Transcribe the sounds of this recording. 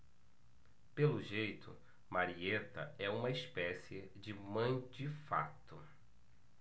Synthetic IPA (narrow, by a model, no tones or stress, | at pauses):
pelʊʒejt̪ʊ̰ | maɾiet̪ɐ̰ɛũmɐispɛsiɪ | d͡ʒɪmɐ̃j̃d͡ʒɪfa̰t̪ʊ